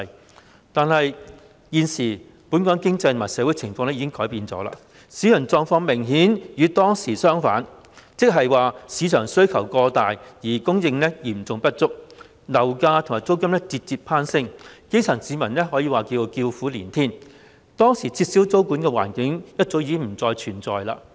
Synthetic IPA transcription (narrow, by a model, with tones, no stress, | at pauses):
t̪aː˨nhɐ˨j | jiː˨˧nsiː˨˩ | pu˨˥nkɔː˨˥kɪ˥ŋt͡sɐ˧jt̪ʰo˨maː˨˩sɛː˨˥wu˨˥jt͡sʰɪ˨˩ŋfɔː˧ŋlɛ˥jiː˨˧kɪ˥ŋkɔː˨˥jpiː˨˧nt͡sɔ̰ː˨˥la̰ː˧˥ | siː˨˥jɐ˨˩nt͡sɔː˧ŋfɔː˧ŋmɪ˨˩ŋɦiː˨˥njyː˨˧t̪ɔː˥ŋsiː˨˩sœː˥ŋfa̰ː˨˥n | t͡sɪ˥k̚ɦɐ˨jwaː˨siː˨˧t͡ʃʰœː˨˩ŋsɵ˥ɥkʰɐ˨˩wkɔː˧t̪aː˨jjiː˨˩kʊ˥ŋjɪ˧ŋlɛ˥jiː˨˩m˩t͡sʊ˨ŋpɐ˥t̚t͡sʊ˥k̚ | lɐ˨˩wkaː˧t̪ʰŋaː˨˩t͡so˥wkɐ˥mlɛ˥t͡siː˧t̚t͡siː˧pʰaː˥nsɪ˥ŋke˥jt͡sʰɐ˨˩ŋsiː˨˥mɐ˨˩nlɛ˥ɦɔː˨˥jiː˧waː˨˩kiː˧wkiː˧wfuː˨˥liː˨˩nt̪ʰiː˥n | t̪ɔː˥ŋsiː˨˩t͡siː˧t̚si˨˥wt͡so˥wkuː˨˥nkɛː˧wa̰ː˨˩nkɪ˨˥ŋjɐ˥t̚t͡so˨˥wjiː˧kɪ˥ŋm̩˨˩t͡sɔː˧jt͡ʃʰyː˨˩nt͡sɔ̰ː˨jla̰ː˧